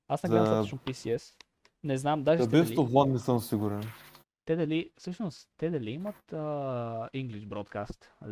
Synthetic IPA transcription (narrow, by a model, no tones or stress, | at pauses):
asnɛɡamsʃnopisiɛs | nɛznamd̪aʒɛb̪ɛflovlˠannisɤmsiɡuɾɛn | t̪ɛd̪ɐlifsɤʃnost̪ɛd̪ɐliimət̪əiŋɡliʃbɾɔt̪kast̪